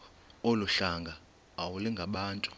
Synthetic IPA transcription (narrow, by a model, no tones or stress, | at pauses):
ɔluɬaŋɡʱaː | wulɛŋɡʱaɓaːntʼu̥